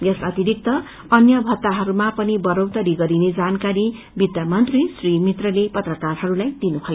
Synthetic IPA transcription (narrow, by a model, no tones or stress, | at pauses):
jʌsʌt̪iɾik̚t̪ʌ | ʌnjʌbʱʌt̪ːaɦʌɾumapʌnibʌɾowt̪ʌɾiɡʌɾined͡zankaɾi | bid̪jamʌnt̪risrimit̪rʌlepʌt̪rʌkarɦʌɾulajd̪inubʰʱʌjo